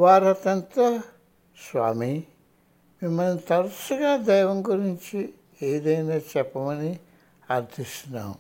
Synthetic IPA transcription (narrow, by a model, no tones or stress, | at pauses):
ʋaːɾɐt̪jɐnt̪ɐ | sʋa̰ːmi | mimːɐlnit̪ɐɾusuɡaːd̪ɛːjʋɐŋɡuɾiɲt͡ʃi | eːd̪ɐjnaːt͡ʃɛpːɐmɐni | ɐɾd̪ʱist̪una̰ːm